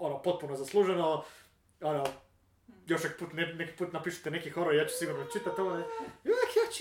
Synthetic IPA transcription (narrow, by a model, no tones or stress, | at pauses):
onopo̞t̪̚punozaslˠuːʒeno | ono | jo̞ʃnoki̥puːt̪neneki̥puːt̪napiːʃu̥t̪enekixoɾojaːt͡ɕu̥siɡuɾnot͡ʃit̪at̪ːoɡaioakjat͡ʃ